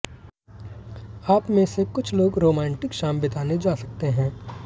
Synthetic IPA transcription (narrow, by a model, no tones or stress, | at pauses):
aːpmẽsekʊt͡ʃʰloːɡɾoːmɛ̃ːɳʈɪkʃaːmbɪt̪aːned͡ʒaːsɐk̚t̪eɦɛ̃ː